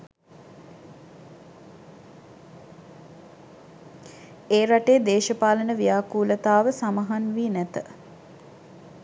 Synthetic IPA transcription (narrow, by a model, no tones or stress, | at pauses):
eːɾaʈeːd̪eːʃəpaːlənəʋijaːkuːlət̪aːʋəsaməɦanʋiːnæt̪ə